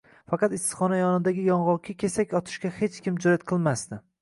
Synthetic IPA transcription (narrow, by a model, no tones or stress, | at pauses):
fɑqʰɑt̪ɪst̪χɒnajɒnɪd̪aɡʲɪjɒɴʁɒkʲʰɪkʲʰe̞sakʲɒt̪ʰɪ̥ʃkʲahe̞t͡ʃkʲɪmd͡ʒɒjat̪̚qʰɨlˠmast̪ɪ